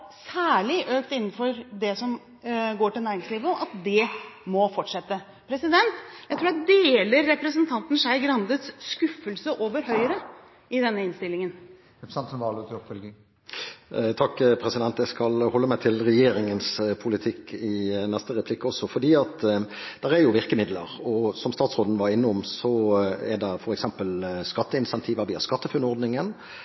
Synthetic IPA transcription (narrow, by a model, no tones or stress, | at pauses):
sæːɭɪʔøːkt̪ɪnːn̩fɔɾd̪ɛsɔm | ɡoːʈɪlnæːɾɪŋsliːʋəɑt̪d̪ɛmɔfɔʈʂɛt̪ːə | pʰɾɛsɪd̪ɛnt̪jæɪt̪ʰɾuːɖ̪d̪eːləɾːɛpɾəsənt̪ʰɑnt̪n̩ʂæɪɡɾɑnd̪ət̪sːkʉfːəlsəʔoːʋəɾɦœʏəɾə | ɪd̪ɛnːəɪnst̪ɪlːɪŋən | sɑnt̪sɔmʋɑːlət̪ʰɔpfœlɡə | t̪ʰɑkːpʰɾɛsɪd̪ɛnt̪jæɪskɑlhɔlːəmæɪt̪ʰɪlɾɛjeːɾɪŋənspʰʊlɪt̪ʰɪkːɪnɛst̪əʁɛpʰlɪkːɔsːɔfɔɖ̪iːɑt̪d̪̥ɛʁɛɾjʊʋɪʁkəmɪd̪lə̰ʁɔsɔmst̪ɑːt̪sʁoːd̪n̩ʋɑɾɪnːɔmsɔɛd̪ɛfɔɾɛksɛmpəlskɑt̪ːəɪnsɛnt̪ʰiːʋəʋiːɑ̰skɑt̪ːəfʉnɔʁd̪nɪŋən